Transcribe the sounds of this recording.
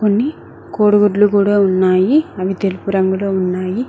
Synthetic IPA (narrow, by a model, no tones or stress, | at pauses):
konːi | koːɽuɡuʈlukuːɽaːunːaːjiɐʋit̪elipuɾɐŋɡɐloːunːaːji